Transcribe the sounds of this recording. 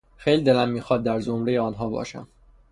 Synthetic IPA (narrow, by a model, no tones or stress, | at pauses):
xejlid̪elæmːiːxɒːd̪̚ːæɾzomɾejeɒːnɦɒːbɒ̰ːʃæ̰m